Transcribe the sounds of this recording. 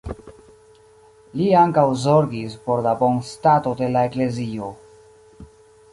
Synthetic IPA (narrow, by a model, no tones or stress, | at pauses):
liaŋkawzo̞ɾɡispo̞ɾlabo̞nstato̞de̞lae̞kle̞zio̞